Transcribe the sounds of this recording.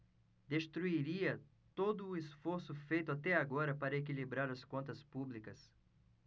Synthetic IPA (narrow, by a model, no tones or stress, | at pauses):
d̪est̪ɾuiɾiɐ | t̪od̪ʊːesfoɾsʊfejt̪ʊat̪ɛaɡɔɾɐpaɾɐek̬ilibɾaɾɐskõnt̪ɐspublikɐs